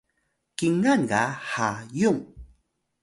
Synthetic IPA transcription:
kiŋanɢahajuŋ

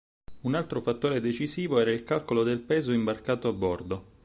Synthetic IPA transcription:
unalt̪ɾofat̪ːoːɾed̪et͡ʃiziːvoɛːɾailkalkolod̪elpɛːzoimbarkaːt̪oabːɔrd̪o

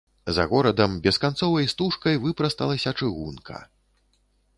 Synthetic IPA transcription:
zɐ̰ɣɔɾɐd̪ɐmbʲɛskant̪sɔvɐjst̪uʂkɐjvɨpɾɐst̪ɐlˠɐsʲɐt͡ʂɨɣunkʰɐ̰

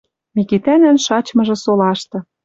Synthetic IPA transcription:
mikit̪ænænʃɑt͡ɕmɤ̆ʒɤ̆solɑʃt̪ɤ̆

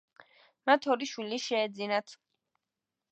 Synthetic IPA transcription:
mat̪ʰɔɾiʃwiliʃɛːd̪zinat̪ʰ

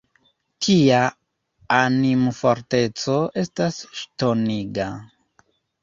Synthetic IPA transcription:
tʰiaː | nimfo̞ɾte̞t͡so̞e̞stasʃto̞niɡa

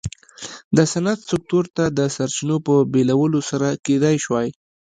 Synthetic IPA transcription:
d̪əsanat̪sʊk̚t̪uɾt̪ad̪əsaɾt͡ʃinopəbelawəlosaɾaked̪ajʃwɑj

